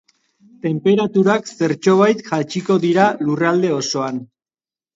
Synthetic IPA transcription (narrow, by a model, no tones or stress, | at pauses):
t̪e̞mpe̞ɾat̪uɾakse̞ɾt͡ʃo̞β̞ajt̪ʝat͡ʃiko̞ðiɾalurald̪e̞o̞so̞an